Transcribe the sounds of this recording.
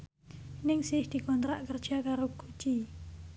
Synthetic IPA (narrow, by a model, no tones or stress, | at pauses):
nɪŋsɪhd̪̥i̤kɔnt̪ɾaʔkərd̥ʒ̥akaɾoɡ̥ut͡ʃi